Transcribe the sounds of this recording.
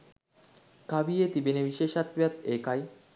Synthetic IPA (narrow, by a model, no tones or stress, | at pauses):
kabijet̪ibenebiʃeʃat̪wjat̪ekaj